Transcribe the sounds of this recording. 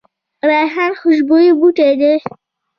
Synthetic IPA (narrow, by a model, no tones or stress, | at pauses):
ɾajɦanxʊʒbojibuʈed̪e